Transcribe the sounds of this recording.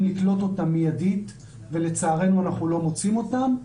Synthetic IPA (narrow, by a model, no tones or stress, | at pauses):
liklo̞to̞tamːijadit̪ | ve̞le̞t͡saːʁe̞nuanaχnulo̞mot͡simo̞tam